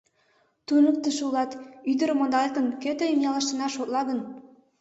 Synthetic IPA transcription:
t̪unuk̚t̪əʃulˠɑt̪yd̪ə̆ɾmond̪ɑlʲt̪ə̆nkøt̪eimjɑlˠɑʃt̪ə̆nɑʃot̪lˠɑɡɤ̆n

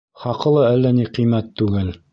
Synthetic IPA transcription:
χɑqɤ̆lˠɤælːæniqĭjmæt̪ːʉɡɘl

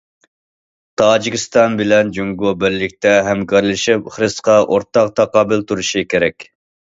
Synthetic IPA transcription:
t̪ʰɑːd͡ʒikʲist̪ɑnbɪlɛnd͡ʒuŋɡobɪɾlːɪk̚ʲt̪ɛɦɛmkʰɑɾlˠɪʃɪpχɾɨsqɑʔoɾt̪ɑq̚t̪ʰɑqɑːbɪlt̪ʰuɾuʃikʲeɾɛkʲ

